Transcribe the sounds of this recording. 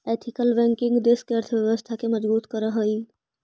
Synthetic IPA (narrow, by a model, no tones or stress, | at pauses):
et̪ʰikəlbɛ̃ŋkɪ̃ŋɡd̪eskeəɾt̪ʰbjəʋəst̪ʰakeməd͡ʒbuːt̪kəɾəɦəi